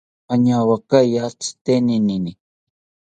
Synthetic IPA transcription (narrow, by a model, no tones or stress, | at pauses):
aɲawakajat͡st̪eninini